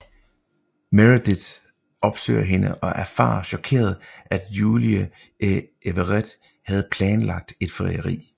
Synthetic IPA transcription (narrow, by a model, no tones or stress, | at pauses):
meʁid̥id̥ | ɒ̽b̥sø̰ɪɐɦe̝nəʔɒ̽ʔæɐfɑ̈ːɐɕɒ̽kʰe̝̰ːɐð̞ˠæd̥juːliə | eʋəʁed̥ | hæð̞̩ˠpʰlɛːnlɑ̈ɡ̥̚d̥e̝d̥fʁḭɐʁḭː